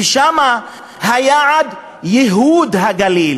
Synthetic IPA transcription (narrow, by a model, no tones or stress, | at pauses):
ʃama | hajaʕad̪ | jɛɦud̪ɦaɡalil